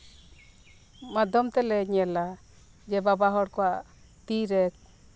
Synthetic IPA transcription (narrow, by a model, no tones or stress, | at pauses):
mad̪ɔmt̪ɛlɛɲɛla | d͡ʒɛbabaɦɔɽkɔwaʔ | t̪iɾɛk̚